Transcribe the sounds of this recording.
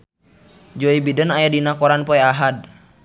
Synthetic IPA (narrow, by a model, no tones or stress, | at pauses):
d͡ʒɔibidənajadinakɔɾanpɔɛaɦad̚